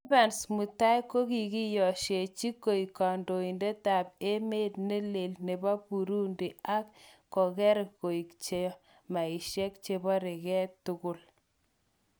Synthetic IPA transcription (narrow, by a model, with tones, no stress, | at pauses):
ba˨nsmu˨ta˦jko˦ki˨ki˦jɔ˨ʃe˨t͡ʃi˦kːo˨i˨kːa˨ndo˨i˨nde˦ta˨p̚e˦me˦t̚ne˦le˨lne˨ba˦pu˨ɾu˦ndi˨a˦kː | kːɔ˨kɛ˦ɾko˨i˨kt͡ʃe˦jɔ˦ | ma˨i˨ʃɛ˦k̚t͡ʃe˦bɔ˦ɾe˨kɛ˦tʊ˦ɡʊ˦l